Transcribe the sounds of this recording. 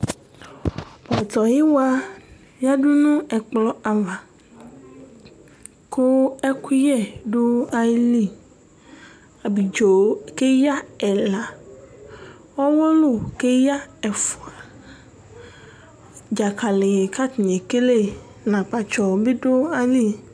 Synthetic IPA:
bɔ˨t̪ɔ˨ji˦wa˦ | ja˦ɖu˦nũ˦ɛ˨k͡plɔ˦a˨va˨ | kʰo˦ɛ˦ku˦jɛ˦ɖo˦a˦jli˦ | a˨bi˨d͡ʒo˨˦ke˦ja˦ɛ˨la˨ | wɔ˦wɔ˦lo˦˨ke˦ja˦ɛ˨fu˨a˨ | d͡ʒa˨ka˨le˨je˨ka˦t̪i˨ɲe˨ke˦le˦ | nã˨k͡pa˨t͡ʃɔ˨be˦do˦a˦li˦

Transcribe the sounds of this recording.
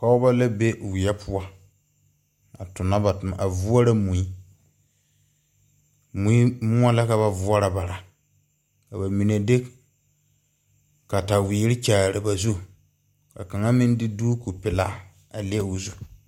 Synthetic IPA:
ka˨ʊ˦ba˦la˦be˦ʔwɪ˨jɛ˦pʰʊ˦a˦ | a˨tʊ˨na˦ba˨tʊ˨ma̰˨a˨vu˦ɔ˦ɾa˦mu˨i˦ | mũ˨i˦mʊ˦a˦la˦ka˨βa˨vu˦a˦ɾa˨ba˨ɾa˨ | ka˨ba˨mi˨ne˨de˦ | ka˨ta˨wiː˨˦ɾɪ˦t͡ʃaː˨ɾɪ˨ba˨zu˦ | ka˨ka˨ŋa˦mɪ˦n˦dɪ˦duː˦ku˨pɪ˨laː˦ | a˨lɪ˦ɛ˦ʊ˨zu˦

